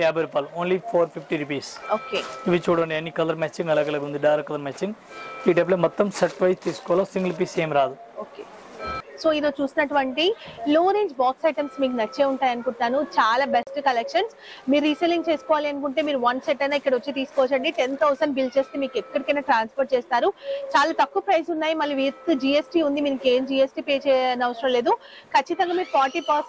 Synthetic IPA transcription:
kaːbɐɾpaːloːnlipʰoːɾpʰipʈiɾipiːsoːkeːiʋit͡ʃuːɽɐɳɖiɐnːikɐlɐɾmɛːt͡ʃĩŋɡɐlaːɡɐlɐːkund̪iɖɐːɾɐkːɐlɐɾmaːt͡ʃĩŋɡpiːʈep̬leːmɔt̪ːɐmsɐʈʋɐjst̪iːsu̥kɔːɐlasiŋɡɐlp̬iːseːmɾaːd̪u | oːkeː | soːid̪oːt͡ʃuːsinɐʈuʋɐɳʈiloːɾeːɲd͡ʒbaːksɐjʈɐmsmiːkunɐt͡ʃːe̞ːuɳʈaːjɐnukuɳʈːaːnut͡ʃaːlaːbesʈkɐlekʂɐns | miːɾːiseliŋɡ̚t͡ʃe̞ːsu̥kɔːʋaːliɐnuk̬uɳʈe̞ːmiːɾuʋɐnseʈːɐjnaːikːɐɽɐʋɐt͡ʃːit̪iːsu̥kɔʋɐt͡ʃɐɳɖiʈent̪ʰɐwsɐɳɖbilt͡ʃe̞ːst̪eːmiːkɛkːɐɽikɐjnaːʈɾaːnspoɾʈ̚t͡ʃeːst̪aːɾut͡ʃaːlaːt̪ɐkːuɐpɾɐjsunːaːjimɐlːiʋiɾt̪ud͡ʒiːesʈiːund̪iminɐke̞ːmd͡ʒiːesʈiːpeːt͡ʃɛːnɐʋɐsɐɾɐmle̞ːd̪u | kɐt͡ʃːit̪ɐŋɡaːmiːɾupaːɾʈipaːs

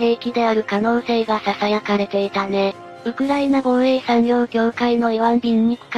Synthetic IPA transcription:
he̞ːkʲid̪e̞aɾɯ̟kano̞ːse̞ːɡasasajakaɾe̞t̪e̞it̪ane̞ | ɯ̟kɯ̟ɾainaɡo̞ɰe̞ːsaɲ̟ioɾɯ̟ɡʲo̞ːkaino̞iβãmbʲĩŋ̟ːikɯ̥k

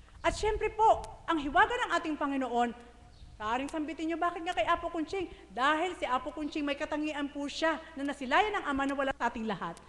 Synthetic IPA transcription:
ʔɐt̪ʃɛmpɾɛpo̞ʔɐŋɦɪwaːɡɐnɐŋʔaːt̪ɪŋpɐŋɪno̞ʔo̞n | kɐʔaːɾɪŋsɐmbɪt̪ɪnɲobaːkɪt̪̚ŋakɐjʔaːpokʊnt͡ʃɪŋd̪aːɦɪlsɪʔaːpokʊnt͡ʃɪŋmɐjkɐt̪ɐŋiːʔɐnpuʃanɐnɐsɪlaːjɐnɐŋʔɐmanɐwɐlasɐʔaːt̪ɪŋlɐhat̪̚

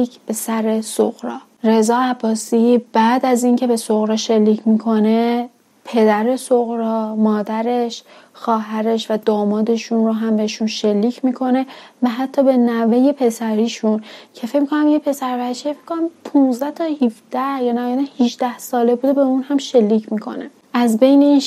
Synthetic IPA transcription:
ib̥e̞sæɾe̞so̰ɣɾɒ̰ː | ɾe̞zɒːæbːɒːsib̥æːd̪æzincʰe̞be̞soɣɾɒːʃe̞lːiːcʰmikʰo̞ne̞ | pʰe̞d̪æɾe̞soɣɾɒːmɒːd̪æɾe̞ʃ | xɒːɦæɾe̞ʃvæd̪ɒːmɒːd̪e̞ʃunɾoɦæmbeheʃunʃe̞lːiːcʰmikʰo̞ne̞væɦæt̪ʰːɒːbe̞næveje̞pʰe̞sæɾiːʃuncʰe̞fe̞cmikʰonæmjepʰe̞sæɾbæt͡ʃʰːefekʰonæmpʰunzd̪æht̪ʰɒːhifd̪̥æhjɒːnæjad̪æhiʃd̪æhsɒːlebuːd̪ebe̞unhæmʃe̞lːiːcʰmikʰo̞̰ne | ʔæzbe̞jne̞in

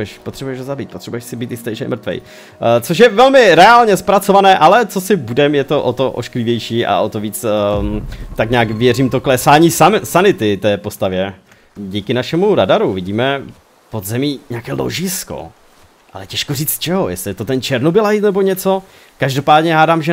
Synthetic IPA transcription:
ɛʃpot̪r̥ɛbujɛʃɦozabiːt̪pot̪r̥ɛbujɛʃsɪbiːt̪ɪst̪ɛjʃɛɪ̰mɾt̪vɛ̰j | t͡so̞ʃ̬jɛvɛlmɪɾɛaːlɲɛspɾat͡sovanɛːʔalɛt͡sosɪbudɛmjɛt̪o̞ʔot̪oʔo̰ʃklɪvjɛjʃiːʔa̰ʔo̞t̪oviːt͡s | t̪akɲaːkvjɛriːmt̪oklɛsaːɲiːsasanɪt̪ɪt̪ɛːpo̞st̪avjɛ | ɟiːkɪnaʃɛmuɾadaɾuvɪɟiːmɛ | po̞d̪zɛmiːɲɛaːkɛːlo̰ʒɪsko̰ | ʔa̰lɛcɛʃkoriːt͡st̪t͡ʃɛɦojɛ̰slɪt̪ot̪ɛnt͡ʃɛɾnobɪlajit̪nɛbo̞ɲɛt͡so̞ | kaʒdo̞paːdɲɛɦaːdaːmʒɛ

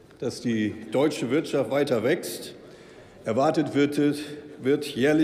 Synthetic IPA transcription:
d̥asd̥iːd̥ɔʏt͡ʃəvɪɐtʃaftv̥aɪtɐvɛkst | ʔɛɐvaɐtət | vɪɐtʰjɛːɐlɪ

